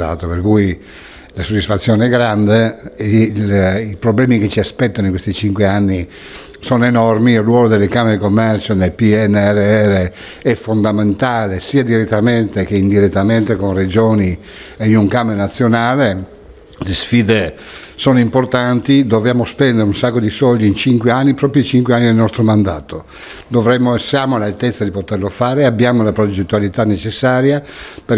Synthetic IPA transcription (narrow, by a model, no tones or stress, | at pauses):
a̰ːt̪operkuj | lasod̪ːisfat̪sːjɔːneɛɡːɾand̪e | lipɾoblɛːmiket͡ʃiaspɛt̪ːanoiŋkwest̪it͡ʃiŋkweanːi | soːnoenɔrmiolːwɔːlod̪elːekameɾekomːɛrt͡ʃonelpiɛnːɛrːeɛrːe | ɛfːond̪ament̪aːlesiːad̪iɾet̪ːament̪ek̟eind̪iɾet̪ːament̪ekonred͡ʒɔːni | einuŋkamenat̪sːjonaːle | lesfiːd̪e | soːnoimport̪ant̪id̪ovjaːmospɛnd̪eɾeunsakːod̪isɔld̪iint͡ʃiŋkweanːipɾɔːpɾjit͡ʃiŋkweanːid̪elnɔst̪ɾomand̪aːt̪o | d̪ovɾɛmːosjaːmoalalt̪et̪sːad̪ipot̪erlofaːɾeabːjaːmolapɾod͡ʒet̪ːualit̪anːet͡ʃesːaːɾjape